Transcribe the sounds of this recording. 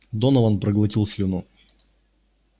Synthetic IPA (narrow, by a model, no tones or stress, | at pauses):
d̪onɐvɐnpɾəɡlˠɐtʲilˠsʲlʲɪnu